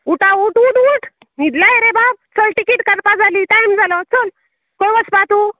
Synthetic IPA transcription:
uʈauʈũʈuʈ | nid̪laeɾebab̚t͡sɔlʈikiʈkəɾpad͡zalit̪ajmd͡zalɔt͡sɔl | kojʋəspat̪u

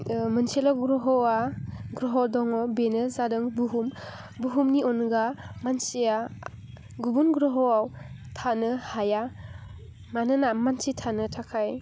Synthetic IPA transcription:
mɯnselɔɡɾɔɦɔwaɡɾɔɦɔdɔŋɔbenɯzadɯŋbuɦum | buɦumniɔnɡamansija | ɡubunɡɾɔɦɔwaw | tʰanɯhaja | manɯnamansitʰanɯtʰakʰaj

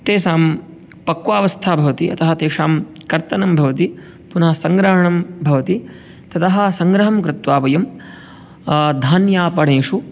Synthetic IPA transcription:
t̪eːsaːm | pɐkʋaːʋɐst̪ʰaːbʱɐʋɐt̪iʔɐ̰t̪ɐɦɐt̪eːkʂaːmkɐɾt̪ɐnɐmbʱɐʋɐt̪i | punɐɦɐsɐŋɡɾɐɦɐɳɐmbʱɐʋɐt̪i | t̪ɐt̪ɐɦɐ̆sɐŋɡɾɐɦɐmkɾɪt̪ʋaːpɐjɐm | d̪ʱaːnjaːpɐɽeːʂu

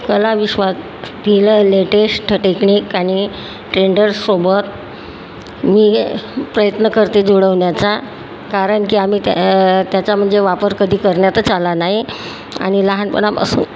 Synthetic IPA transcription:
kəlaʋiɕʋas | d̪iləːleʈesʈʈʈekniːkaɽ̃i | ʈɾeɳɖəɾsobət̪̚ | miːpɾəjət̪nəkəɾt̪ed͡zoɽəʋɳjat͡sa | kaɾəɳkiːam̤iːt̪jat͡ɕam̤əɳd͡zeʋapəɾkəd̪ʱiːkəɾɳjat̪ət͡salanaɦi | a̰ɽ̃iləɦanpə̰ɳamə̰sṵ

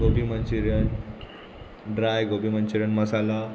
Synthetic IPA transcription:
opimənt͡ɕiɾjən | ɖɾajɡopimənt͡ɕiɾjənməsala

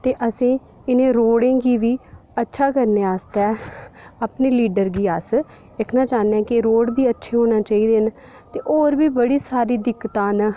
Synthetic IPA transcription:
t̪eːʔəsĩː | ɪnẽːɾoːɽẽːɡiːʋiːətːʃʰaːkəɾneːaːst̪ɛːaːpneːliːɖəɾɡiːaːs | ɪkʰnãːt͡ʃaːnɛ̃ːkɪɾoːɽbiːətːʃʰeːɦoːnaːt͡ʃaːiːd̪eːn | t̪eːʔoːɾbiːbəɽiːsaːɾiːd̪ɪkːt̪ãːn

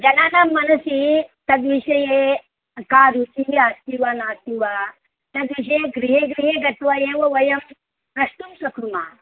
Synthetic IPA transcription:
d͡ʒɐnaːnamːɐnɐsit̪ɐɡ̪ʋiɕɐje | kaːɾut͡ʃiɦiast̪iʋanaːst̪iʋa | t̪ɐɡʋiɕ̬ɐjeɡɾiɦeɡɾiɦeɡɐt̪ʋajeʋɐʋɐjɐm | pɾɐʂʈ̪umsɐkɾuma̰ː

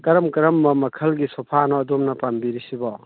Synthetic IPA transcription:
kɐɾɐmkɐɾɐmːɐmɐkʰɐlɡisopʰanɔːdomnɐpambiɾisibɔ

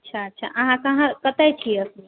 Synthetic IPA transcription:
ətːt͡ʃʰaətːʃʰa̰ʔəɦãkəɦãkət̪ɛjt͡ʃʰiɛəsə

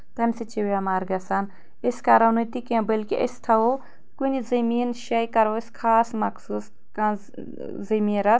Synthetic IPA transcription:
t̪ɐnʲsit͡ʃʰiwɐmaɾɡɐsan | esʲkɐɾɐwnut̪ikẽbɐlʲkiʔɐ̰st̪ʰɐwo | kunʲizɐmiːnʃɐjkɐɾɐskʰaːsmɐkʰsuːs | kã | zɐmiːɾɐs

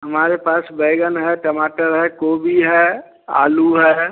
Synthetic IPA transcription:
ɦəmaːɾepaːsbeːɡənɦɛʈəmaːʈəɾɦɛkoːbiɦɛ | a̰ːluɦɛː

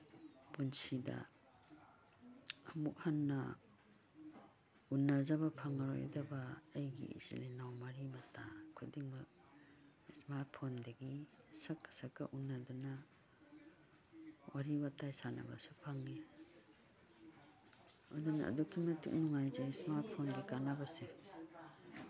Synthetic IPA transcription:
b̥unsida̰ | muk̚hanːa | unːazabapʰaŋaɾɔ̰j̰dabaejɡḭḭsḭlinawmaɾimatʰakʰudiŋmak̚ | smaɾt̚pʰɔndaɡisakḁsakaʔunːaduna | waɾibatajsana̰ba̰supʰaŋːi | ɔduna̰ːdɔkʰimɐtṵk̚nuŋajzaismaɾt̚pʰonɡikanabase

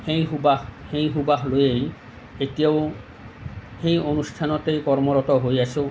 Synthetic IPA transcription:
xejɦubaxejɦubaɦlojej | etijaʊ | xejonustʰanɔtejkɔɹmɔɹɔtɔɦojase

